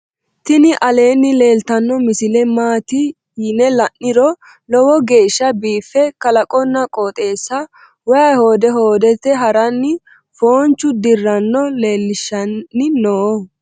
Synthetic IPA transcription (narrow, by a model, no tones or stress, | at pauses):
t̪ɪnɪʔɐle̞ːnːɪle̞ːlt̪ɐnːɔmɪsɪlɛmaːt̪ɪ | jɪnɛlɐnːɪɾɔ | lɔwɔɡe̞ːʃːɐbiːfːɛkɐlɐkʼɔnːɐkʼoːt̪ʼe̞ːsːɐ | wɔjɐjho̞ːd̪ɛɦoːd̪ɛt̪ːɛɦɐɾɐnːɪ | foːnt͡ʃːʊd̪ɪrːɐnːɔle̞ːlːɪʃːɐnːɪnoː